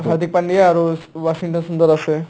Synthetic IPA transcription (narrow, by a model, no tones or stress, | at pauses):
ɦaɾd̪ik̚paɳɖiaaɾoʋaʃiŋʈənsund̪əɾase